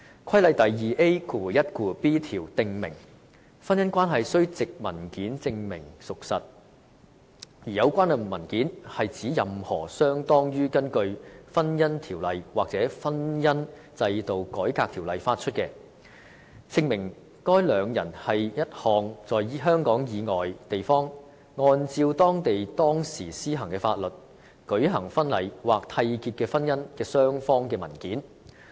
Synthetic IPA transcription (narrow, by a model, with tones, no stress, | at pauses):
kʰɐ˥jlɐ˨˧jt̪ɐ˨jjiː˨˩ʔe˥jkʰuː˨jɐ˥t̚kuː˨˩piː˥t̪ʰiː˨˩wt̪ɪ˧ŋmɪ̰˨˩ŋ | fɐ˥njɐ˥nkʷaː˥nɦɐ˨jsɵ˥ɥt͡sɪ˨k̚mɐ˨˩nkiː˨˥nt͡sɪ˧ŋmɪ˨˩ŋsʊ˨k̚sɐ˨t̚ | jiː˨˩jɐ˨˧wkʷaː˥nɐ˨˩˨mɐ˨˩nkiː˨˥nhɐ˨jt͡siː˨˥jɐ˨mhɔ̰ː˨˩sœː˥ŋt̪ɔː˥ŋjyː˥kɐ˥nkɵ˧ɥfɐ˥njɐ˥nt̪ʰiː˨˩wlɐ˨jwaː˨k̚t͡sɛː˨˥fɐ˥njɐ˥n | t͡sɐ˧jt̪o˨wkɔː˨˥jkaː˧k̚t̪ʰiː˨˩wlɐ˨jfaː˧t̚t͡ʃʰɵ˥t̚kɛː˧ | t͡sʰɪ˧ŋmɪ˨˩ŋ | kɔː˥jlœː˨˧ŋjɐ̰˨˩nhɐ˨jjɐ˥t̚hɔː˨ŋt͡sɔː˨jɦœː˥ŋkɔː˨˥ŋjiː˨˧ŋɔː˨jt̪e˨jfɔː˥ŋ | ŋɔː˧nt͡siː˧wt̪ɔː˥ŋt̪e˨jt̪ɔː˥ŋsiː˨˩siː˥ɦɐ˨˩ŋkɛː˧fa̰ː˧t̚lɵ˨˩t̚ | kɵ˨˥ɥɦɐ˨˩ŋfɐ˥nlɐ˨˩jwaː˨k̚t̪ʰɐ˧jkiː˧t̚kɛː˧fɐ˥njɐ˥nkɛː˧sœː˥ŋfɔː˥ŋkɛː˧mɐ˨˩nkiː˨˥n